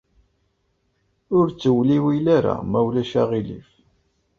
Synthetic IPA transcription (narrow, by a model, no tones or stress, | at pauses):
ʊɾt͡sːəwliwilaɾa̰mæwlæʃaʁilḭf